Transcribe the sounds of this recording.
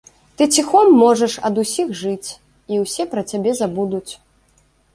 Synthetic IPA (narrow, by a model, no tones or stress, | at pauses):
t̪ɨt͡sʲixɔmːɔʐɐʂɐd̪usʲixʐɨt͡sʲ | iwsʲɛpɾɐt͡sʲabʲɛzabud̪ut͡sʲ